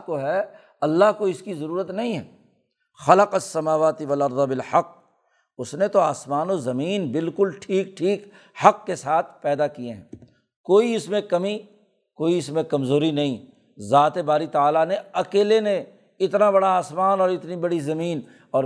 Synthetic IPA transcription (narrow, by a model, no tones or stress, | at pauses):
koɦɛː | ɐlːaɦkoɪskizɐɾuːɾət̪nɐɦĩɦɛː | xɐləqɐsːɐmaːʋaːt̪ɪʋɐlɐɾd̪ˤɑbɪlħɐqː | ʊsnet̪oaːsmaːnozɐmiːnbɪlkʊlʈʰiːk̚ʈʰiːk | hɐqːesaːt̪ʰpɛːd̪akijeɦɛ̰̃ː | koːiɪsmẽkɐmi | koːiɪsmẽkɐmzoːɾinɐɦĩ | zaːt̪ebaːɾit̪aaːlaneɐkeːlenẽ | ɪt̪nabɐɽaaːsmaːnɔːɾɪt̪nibɐɽizɐmiːn | ɔː